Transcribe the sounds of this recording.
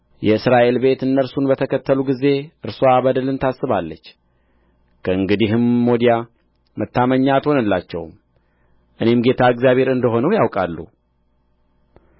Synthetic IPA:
jɛɨsɾaʔe̞lbe̞t̪ɨnːəɾsunbət̪ʰəkʰət̪ːəluɡize̞ʔɨɾsoabəd̪əlɨnt̪ʰasːɨβalːət͡ʃː | kʰəɨŋɡɨd̪iɦɨmːod̪ija | mət̪ːaməɲːat̪ho̞nəlːat͡ʃːɛ̰w | ʔɨne̞mɡe̞t̪ʰaɨɡzjaβʱe̞ɾɨnd̪əɦo̞nəwjawkʼalːṵ

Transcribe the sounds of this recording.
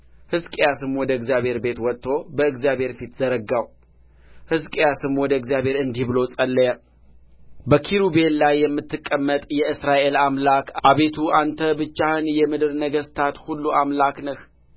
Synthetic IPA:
hɨskʼejasɨmwɔd̪əɨɡzjaβhe̞ɾbe̞t̪wɔt̪ʰːo̞bəɨɡzjaβʱhe̞ɾfit̪zəɾəɡːaw | hɨskʼejasɨmwɔd̪əɨɡzjaβhe̞ɾɨnd̪ibɨlo̞sʼəlːəjə | bəkʰiɾube̞nlajːɛmːɨt̪ːɨkʼːəmːət̪ʼjɛɨsɾaʔe̞lamlakʔaβe̞t̪ʰuʔant̪ʰəbɨt͡ʃːahɨnjɛmɨd̪ɨɾnəɡəst̪ʰat̪hulːuamlaknəh

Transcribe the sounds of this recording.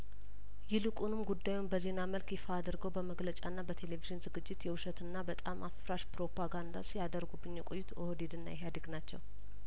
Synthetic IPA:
jɪlɨkʼunɨmɡud̪ːajumbəze̞naməlkjɛfaːd̪ɨɾɡəwbəməɡlət͡ʃʼanːabət̪ʰe̞leviʒɨnzɨɡɨd͡ʒːɪt̪jɛwʊʃət̪ɨnːabət̪ʼamːʔaffɾaʃpɾo̞pʰaɡand̪a̰sijad̪əɾɡubːɨɲːjɛkʼojːɪt̪ʰohod̪ed̪ɨnːa̰jɛɦjad̪ɨɡnat͡ʃːɛ̰w

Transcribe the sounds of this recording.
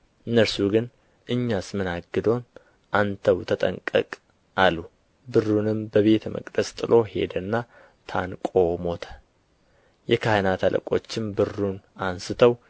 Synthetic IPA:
ʔɨnːəɾsuɡɨn | ʔɨɲːasmɨnaɡːɨd̪o̞n | ʔant̪ʰəwt̪ʰət̪ʼə̰ŋkʼːə̰kʼ | ʔalːu | bɨrːunɨmbəβe̞t̪mə̰kʼd̪əst̪ʼɨlʔo̞he̞̰d̪ənːa | t̪ʰa̰nkʼo̞mo̞t̪ʰə̥ | jɛkʰahnat̪ʰalʔə̰kʼo̞t͡ʃːɪmbɨrːunansɨt̪ʰəw

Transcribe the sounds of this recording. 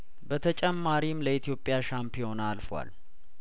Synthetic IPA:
bət̪ʰət͡ʃʼɛmːaɾimləit̪ʰijo̞pʼːjaʃampʰijo̞nalfwa̰l

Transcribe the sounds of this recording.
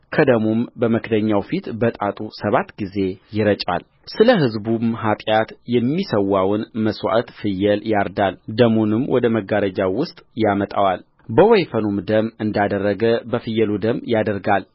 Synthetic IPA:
kʰəd̪əmumbəməkʰd̪əɲːawfit̪bət̪ʼat̪ʼusəβat̪ːɡize̞jɪɾət͡ʃʼa̰l | sɨləɦɨzbumɦat̪ʼjat̪jɛmːisəwːawnməswa̰ʔət̪fɨjːɛljaɾd̪ald̪əmunɨmwʔɔd̪əməɡaɾəd͡ʒawʊst̪ʼjamət̪ʼawal | bəwɔjfənumd̪əmɨnd̪ad̪ərːəɡəbəfɨjːɛlud̪əmːjad̪əɾɡal

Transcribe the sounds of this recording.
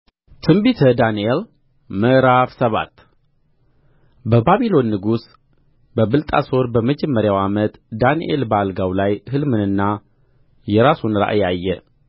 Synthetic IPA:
t̪ʰɨmbit̪ʰəd̪aniel | məʔɾafsəβa̰t̪ː | bəbaβilo̞nːɨɡus | bəβɨlt̪ʼa̰so̞ɾbəməd͡ʒɛmːəɾjawamət̪ʼd̪aniʔḛlbəalɡawlajhɨlmɨnɨnːa | jɛɾasunɾa̰ʔajajːɛ

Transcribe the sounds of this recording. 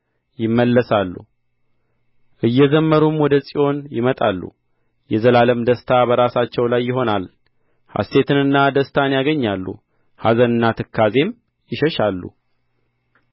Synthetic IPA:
jɪmːəlːəsalːṵ | ʔɨjːɛzəmːəɾumwɔd̪əsʼiʔo̞njɪmət̪ʼalːṵ | jɛzəlaləmd̪əst̪ʰabəɾasat͡ʃːɛwlajːɪɦo̞nal | ha̰st̪e̞t̪ʰɨnɨnːad̪əst̪ʰanjaɡəɲːalːṵ | hazənɨnːat̪ʰɨkʰːaze̞m | jɪʃəʃalːṵ

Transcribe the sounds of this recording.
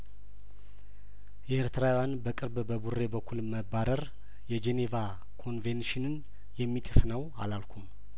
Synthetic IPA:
jɛeɾt̪ʰɨɾawjanbəkʼɨɾbbəbure̞bəkʰːulməbːaɾəɾ | jɛd͡ʒeneva | kʰo̞nvenʃɪnɨn | jɛmːit̪ʼɨsnəwa̰lalkʰʷum

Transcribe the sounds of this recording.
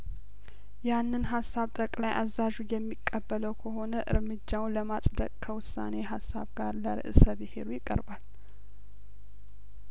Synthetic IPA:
janːɨnɦasːaβt̪ʼəkʼlajʔazaʒujɛmːikʼːəbːələwkʰəɦo̞nəʔɨɾmɨd͡ʒːawləmasʼd̪ə̰kʼkʰəwʊsːa̰ne̞ɦasːa̰βɡaɾləɾɨ̰ʔɨsəβɨhe̞̰ɾujɪkʼːə̰ɾbal

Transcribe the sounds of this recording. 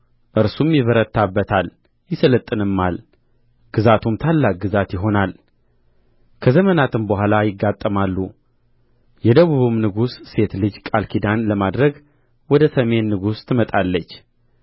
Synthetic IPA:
ʔɨɾsumjɪβəɾət̪ʰːabːət̪ʰal | jɪsələt̪ʼːɨnɨmːal | ɡ̥ɨzat̪ʰumt̪ʰalːak̚ɡɨzat̪jɪɦo̞nal | kʰəzəmənat̪ʰɨnbəhʷalajɪɡːat̪ʼːəmalːu | jɛd̪əβuβumnɨɡusːe̞t̪lɨd͡ʒkʼalkʰid̪anləmad̪ɾəɡ | wɔd̪əsəme̞nːɨɡust̪ʰɨmət̪ʼalːət͡ʃː

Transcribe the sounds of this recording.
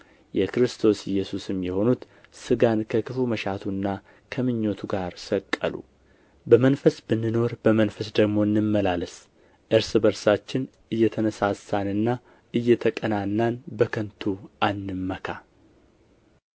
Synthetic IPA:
jɛkɾɨst̪ʰo̞sɪjːɛsusɨmjɛho̞nut̪ | sɨɡankʰəkʰɨfuməʃat̪ʰunːa | kʰəmɨɲːo̞t̪ʰuɡaɾsəkʼːə̰lṵ | bəmənfəsbɨnːɨno̞ɾbəmənfəsd̪əɡmo̞ɨnːɨmːəlaləs | ʔɨɾsɨbəɾsat͡ʃːɪn | ɨjːɛt̪ʰənəsasːanɨnːa | ɨjːɛt̪ʰəkʼənanːanbəkʰənt̪ʰuʔanːɨmːəkʰa

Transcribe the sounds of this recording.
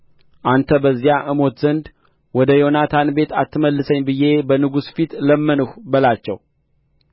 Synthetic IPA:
ʔant̪ʰəbəzːijaʔɨmo̞t̪zənd̪ | wɔd̪əjo̞nat̪ʰanbe̞t̪ʰat̪ːɨməlːɨsəɲːbɨje̞bənɨɡusfit̪ləmːənəhbəlat͡ʃːɛw

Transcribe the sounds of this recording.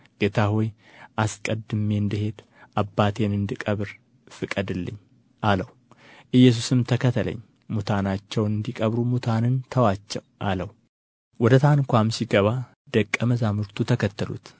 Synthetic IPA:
ɡ̥et̪ʰahoj | ʔaskʼəd̪ɨmːend̪ɨhe̞d̪ | ʔabːat̪ʰe̞nɨnd̪ɨkʼəβɨɾ | fɨkʼːəd̪ɨlːɨ̰ɲː | ʔaləw | ʔɨjːɛs̬usɨmt̪ʰəkʰət̪ʰːəlʔə̰ɲː | mut̪ʰanat͡ʃːɛwnɨnd̪ikʼəβɾumut̪ʰanɨnt̪ʰəwat͡ʃːɛwʔaləw | wɔd̪ət̪ʰankʷamsiɡəβa | d̪̥əkʼːəməzamuɾt̪ʰut̪ʰəkət̪ːəlṵt̪

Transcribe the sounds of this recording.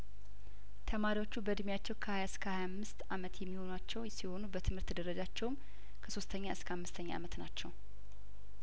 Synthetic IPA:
t̪ʰəmaɾiwo̞t͡ʃːubəd̪ɨmjat͡ʃːɛwkʰəhajaɨskʰəhajamːɨst̪ʔamət̪jɛmːiho̞nat͡ʃːɛwsiho̞nubət̪ʰɨmhɨɾt̪d̪əɾəd͡ʒat͡ʃːɛwm | kʰəso̞st̪ʰəɲːaɨskʰəamːɨst̪ʰəɲːaʔa̰mət̪nat͡ʃːɛw

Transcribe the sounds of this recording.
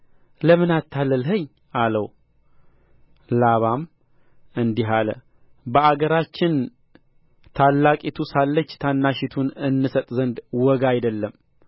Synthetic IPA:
ləmɨnat̪ʰːalːəlɦəɲː | ʔaləw | laβam | ɨnd̪iɦalə̰ | bəaɡəɾat͡ʃːɪn | t̪ʰalːakʼit̪ʰusalːət͡ʃːt̪ʰanːaʃɪt̪ʰunɨnːɨsət̪ʼzənd̪wɔɡajd̪əlːəm

